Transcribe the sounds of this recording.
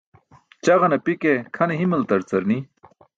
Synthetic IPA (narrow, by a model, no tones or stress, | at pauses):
t͡ɕɐʁɐnɐpikekʰɐneɦimɐlt̪ɐɾt͡sɐɾni